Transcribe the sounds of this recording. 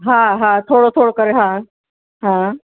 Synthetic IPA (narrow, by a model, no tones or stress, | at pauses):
ɦãɦãt̪ʰoɽot̪ʰoɽokəɾeɦã | ɦã